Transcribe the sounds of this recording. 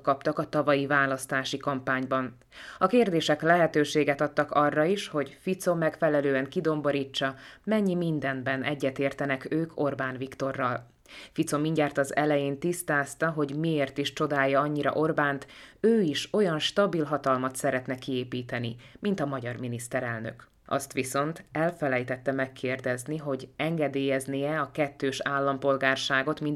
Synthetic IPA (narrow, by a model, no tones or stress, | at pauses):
kɒpt̪ɒkɒt̪ɒvɒjivaːlɒst̪aːʃikɒmpaːɲbɒn | ɒkeːrd̪eːʃɛklɛɦɛt̪øːʃeːɡɛt̪ɒt̪ːɒkɒrːɒiʃho̞ɟfit̪so̞mɛkfɛlɛløːɛŋkid̪o̞mbo̞ɾiːt͡ʃːɒmɛɲːimind̪ɛnbɛnɛɟːɛt̪eːrt̪ɛnɛkøːkʰo̞rbaːnvikt̪o̞rːɒl | fit̪so̞miɲɟaːrt̪ɒzɛlɛjeːnt̪ist̪aːst̪ɒɦo̞ɟmieːrt̪iʃt͡ʃo̞d̪aːjːɒɒɲːiɾɒ̰ʔo̞rbaːnt̪øːiʃo̞jɒnʃt̪ɒbilɦɒt̪ɒlmɒt̪sɛɾɛt̪nɛkieːpiːt̪ɛnimint̪ɒmɒɟɒrminist̪ɛɾɛlnø̞̰k | ɒ̰st̪ʋiso̞nt̪ɛlfɛlɛjt̪ɛt̪ːɛmɛkʰːeːrd̪ɛzniɦo̞ɟɛŋɡɛd̪eːjɛzniɛɒkɛt̪ːøːʃaːlːɒmpo̞lɡaːrʃaːɡo̞t̪min